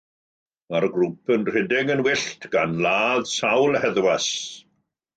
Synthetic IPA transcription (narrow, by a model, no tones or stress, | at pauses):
arɡrupʰənr̥ɪdɪɡənwɪɬtʰɡ̥anlaːðsawlˠhɛðwas